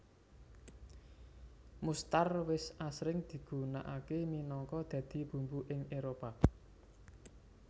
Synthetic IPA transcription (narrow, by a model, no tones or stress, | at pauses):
must̪arwɪsasɾɪŋd̪̥i̤ɡ̥ṳna̰ʔakeminɔŋkɔd̪̥ä̤d̪̥i̤b̥ṳmbuʔɪŋeɾopa